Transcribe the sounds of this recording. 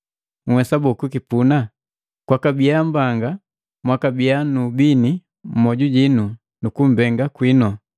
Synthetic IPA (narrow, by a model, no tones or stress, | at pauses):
ŋ̩wɛsabɔkukipuna | kwakabijam̩baŋɡa | mwakabijanubini | m̩mɔɟuɟinu | nukum̩bɛŋɡakwinɔ